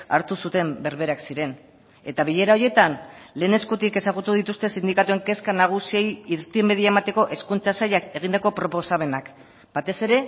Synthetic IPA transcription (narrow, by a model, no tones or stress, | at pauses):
a̰ɾt̪usut̪e̞mbe̞ɾβe̞ɾaksiɾe̞n | e̞t̪aβiʎe̞ɾao̞ɾje̞t̪anle̞ːne̞skut̪ike̞saɣut̪uðit̪ust̪e̞sind̪ikat̪ue̞ŋke̞skanaɣ̞usie̞jiɾt̪imeðiaemat̪e̞ko̞ʔe̞skunt͡sasajake̞ɣ̞ind̪ako̞pɾo̞po̞same̞nak | b̥at̪e̞se̞ɾe̞